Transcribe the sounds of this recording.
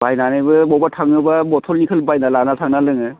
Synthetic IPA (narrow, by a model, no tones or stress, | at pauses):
bajnanajbɯbɔbatʰaŋɯbabɔtʰɔlnikʰɯlbajnalanatʰaŋnalɯŋɯ